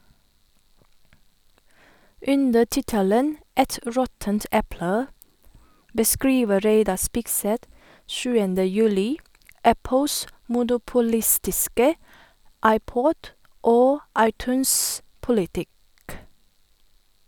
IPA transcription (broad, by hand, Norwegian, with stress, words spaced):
ˈʉndə ˈtɪtələn ˈɛt ˈɾɔtənt ˈɛplə bəˈskɹiːʋə ˈɾeɪdɑ ˈspɪkˌsɛt ˈʃʉːəndə ˈjʉːlɪ ˈæpl̩s mʊnʊpʊˈlɪstɪskə ˈɑɪˌpɔd ˈoː ˈɑɪˌtʉːnspʊlɪˌtɪk